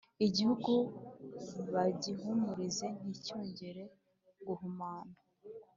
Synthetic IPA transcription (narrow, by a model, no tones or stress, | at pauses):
iɟihuɡu | βaɟiɦumuɾize̞n̥icoːɲɟe̞ɾe̞ | ɡuhumaːna